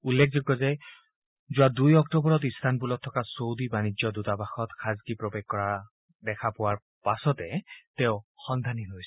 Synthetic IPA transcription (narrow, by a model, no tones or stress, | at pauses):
ulːekʰzoɡːɔzɛ | zʊwadujɔktɔbɔɹɔtist̪ʰanpulɔtʰːɔkasowdibanizjɔdutabaxɔtxʰazɡipɹɔbeɡ̚kɔɹa | dɛkʰapʊwaɹ | pasɔtɛtɛʊxɔnd̪ʱaniɦojs